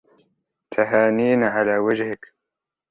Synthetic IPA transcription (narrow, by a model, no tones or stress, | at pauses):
t̪ʰaɦaːniːnʕalaːwad͡ʒhɪk